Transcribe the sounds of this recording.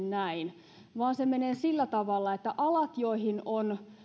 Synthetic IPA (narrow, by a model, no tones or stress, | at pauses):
nnæin | ʋɑːnsemeneːsilːæt̪ɑʋɑlːɑet̪ːæʔɑlɑt̪joihinon